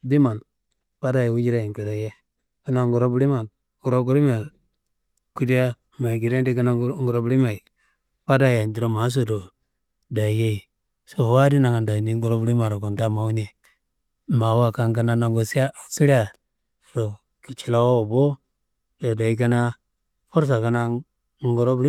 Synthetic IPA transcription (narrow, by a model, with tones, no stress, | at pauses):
di˦ma˨n | pa˦da˦˨jwu˦d͡ʒi˦ɾa˨i˨ki˨ɾa˨je˦ | ka˦na˦ŋɡu˨ɾo˦bu˦li˦ma˨n | ɡu˨ɾo˦ɡu˦ɾi˦ma˨ | ku˦di˦a˦ | ma˨i˨ɡi˨ɾe˦ndi˦ka˦na˦ŋ˦ɡu˨ɾo˦bli˦ma˨i˨ | pa˦da˦˨ja˨nd͡ʒi˨ɾo˦ma˨˦s̬o˨do˨ | da˨je˦˨ | so˨wa˦di˦na˨ŋa˨nda˨ni˦ŋɡu˨ɾo˦bu˦li˦ma˨ɾo˨ko˨nta˦ma˨u˦ne˨ | ma˨wa˦ka˦ŋka˦na˦na˨ŋɡo˨si˦a˦a˨si˦ɾi˦a˨ | so˨ | ki˨t͡ʃi˨la˦wo˦o˨bo˦ | jo˨da˨i˦ka˦na˦ | fo˦ɾs̬a˨ka˨˦na˦ | ŋ˦ɡu˨ɾo˦bi˦